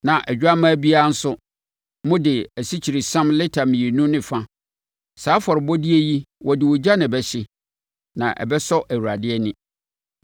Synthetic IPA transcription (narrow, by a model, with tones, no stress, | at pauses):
nã˨ʔɛ˨d͡ʑᶣa˦mã˦bi˦a˦a˦n̩˦sʊ˦ | mʊ̃˦dɪ˨æ˨si˦t͡ɕʰi˨ɾi˨sã˦mlɪ˦tʰa˨mĩ˨i˨nũ˦nɪ̃˨fã˦ | saː˨˦fɔ˨ɾɪ˨bɔ˦di˦e˦ji˦wʔɔ˨dɪ˨wɔ˨d͡ʑa˦nɪ̃˨bɛ˦ɕɪ˦ | nã̰˨ʔɛ̰˨bɛ˦sɔ˦ʔæ˨wu˨ɾa˨dɪ˦ɛ˦nɪ̃˦